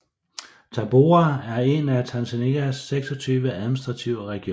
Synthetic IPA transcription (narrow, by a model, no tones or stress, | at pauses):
t͡sʰɑ̈b̥o̝ææɐe̝næt͡sʰænsæneɡ̥æsːeɡ̥sɒ̽t͡sʰyːʋəæðˠminisd̥ʁɑ̈t͡sʰiʊ̰ʁɛɡ̥i